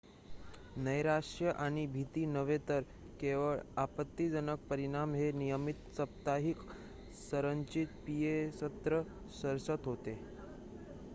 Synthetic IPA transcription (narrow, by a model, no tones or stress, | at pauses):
nəjɾaʂʈjəʔaɽ̃ibʱit̪iːnəʋet̪əɾ | keʋəɭapət̪ːid͡zənək̚pəɾiɽ̃amɦenijəmit̪səp̚t̪aɦik | səɾəɲt͡ɕit̪̚pijesət̪ɾə | səɾsət̪ɦot̪e